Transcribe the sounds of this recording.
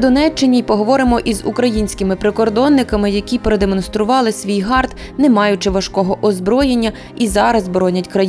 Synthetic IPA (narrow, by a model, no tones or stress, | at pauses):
d̪ɔnɛt͡ʃːɪnʲipɔɦɔʋɔɾɪmɔʔizṵkɾɐjinʲsʲkɪmɪpɾekɔrd̪ɔnːɪkɐmɪjɐkʲipɾed̪emɔnst̪ɾʊʋɑlˠɪsʲʋʲijɦɑrt̪ | nɛmɑjʊt͡ʃɪʋɐʃkɔɦɔʔɔzbɾɔjenʲːɐ | izɑɾɐzbɾɔnʲɐtʲkɾɐj